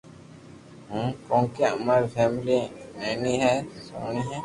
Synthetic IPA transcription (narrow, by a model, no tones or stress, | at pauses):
ɦukõːkeɐ̰maːɾpʰɛːmliɛːniɦɛsoːniɦɛ̃ː